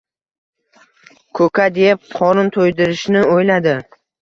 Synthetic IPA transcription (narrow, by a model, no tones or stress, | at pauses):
kʰɵkʰʲad̪ep̚qʰɒnʊnt̪ʰojd̪ɪɾɪʃnɪojlad̪ɪ